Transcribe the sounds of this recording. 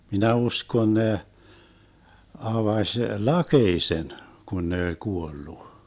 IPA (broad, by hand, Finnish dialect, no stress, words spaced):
minæ uskon ne ɑʋɑʃ lɑkeisen kun ne olʲ kuolːu